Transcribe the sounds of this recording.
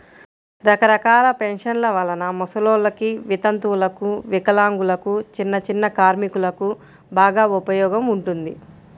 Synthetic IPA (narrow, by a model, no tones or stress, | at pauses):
ɾɐkɐɾɐkaːlɐpenʂɐnlɐʋɐlɐnɐmɔsɐloːlɐkiʋit̪ɐnt̪ulɐkuʋikɐlaːŋɡulɐkut͡ʃinːɐt͡ʃinːɐkaːɾmikulɐku | baːɡaːupɐjɔːɡɐmuɳʈund̪i